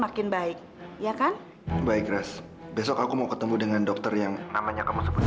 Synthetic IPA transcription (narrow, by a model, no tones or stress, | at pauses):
makɪnbaɪk̚ | jakan | baɪkɾas | besɔkakumaukət̪əmbudəŋandɔk̚t̪ərjaŋnamaɲakəmusəbut̪